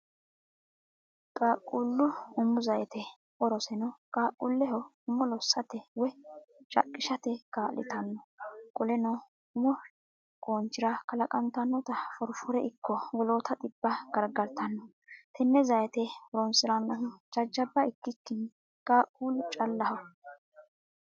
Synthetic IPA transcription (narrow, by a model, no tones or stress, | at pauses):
kʼaːkʼːuːlːʊʊmːʊzɐjɛt̪ɛ | ɔɾɔsɛnɔkʼaːkʼːulːɛɦɔ | ʊmːɔlɔsːɐt̪ɛwɛt͡ʃʼɐ̰kʼːɪʃɐt̪ɛkʼaːlːɪ̰t̪ɐnːɔkʼɔlɛnɔ | ʊmɔ | ɡʼoːnt͡ʃːɪɾɐkɐlɐkʼɐmt̪ɐnːɔt̪ɐfɔɾfɔɾɛʔɪkːɔwɔlo̞ːt̪ɐt̪ʼɪbːɐɡ̥ɐɾɡɐɾt̪ɐnːɔ | t̪ʰɛnːɛzɐjɛt̪ɛɔɾɔnsɪɾanːɐnt͡ʃʼɐd͡ʒːɐbːɐɪkːɪkːɪn | kʼaːkʼːuːlːʊt͡ʃʼɐlːɐhɐ